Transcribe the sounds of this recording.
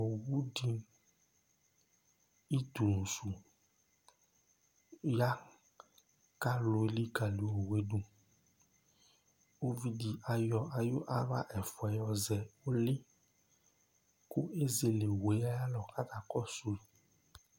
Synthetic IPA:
o˨wu˦ɖi˦ | i˦t̪u˨nũ˨su˨ | ja˦ | ka˦lo˨e˨˦li˦ka˨li˨o˨we˨˦ɖu˦ | o˦vi˦di˨ʔa˨jɔ˧a˨jo˦ʔa˦ɾa̰˦ʔɛ˨fwɛ˨jɔ˧zɛ˨wo˦le˦ | ku˦e˦ze˨le˨we˨˦a˦ja˦lɔ˨ka˦t̪a˨kɔ˦so˦i˨

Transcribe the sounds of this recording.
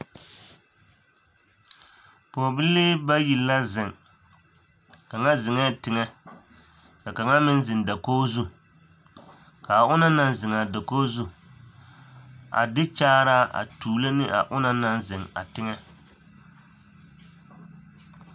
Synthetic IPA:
po˨bɨ˦leː˦ba˦ji˨lːa˦zɪ˨ŋ | ka˨ŋa˦zɪ˨ŋɛ˦tɪ˨ŋɛ˦ | ka˨ka˨ŋa˦mɪ˦n˦zɪ˨nda˨koː˦zu˦ | ka˨ʊ˦na˦na˦n˦zɪ˨ŋa˨da˨koː˦zu˦ | a̰˨dɪ˦t͡ʃaː˦ɾa˦ʔa̰˨tuː˨lo˦nɪ˦ʔa̰˨ʔʊ˦na˦na˦nzɪ˨ŋa̰˨tɪ˦ŋɛ˦

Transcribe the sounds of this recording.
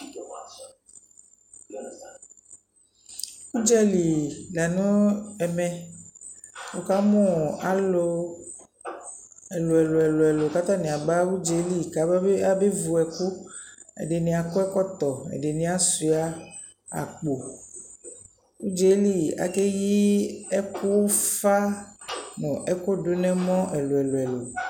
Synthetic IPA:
wu˦d͡ʒɛ˦li˨la˨nũ˦ɛ˨mɛ̃˨ | wo˨ka˦mɔ̃˦˨a˨lo˦ | ɛ˨lo˨ɛ˨lo˨ɛ˨lo˨ɛ˨lo˨ka˦t̪a˦˨nĩ˨a˨ɡ͡ba˦wu˦d͡ʒe˨˦li˦˨ka˨˦ba˦e˦a˦be˦vu˨ɛ˨ku˦ḛ˨ɖe˨nĩ˨a˨ko˦ɛ˦kɔ˦t̪ɔ˨ḛ˨ɖe˨nĩ˨˦a˦su˨a˨ | a̰˨k͡po˨ | wu˦d͡ʒe˨˦li˦˨a̰˨ke˦ji˦ɛ˦ku˦wfa˦ | mɔ̃˨ʔɛ˦ko˦ɖo˦nɛ̃˦mɔ̃˦ʔɛ˨lo˨ɛ˨lo˨ɛ˨lo˨

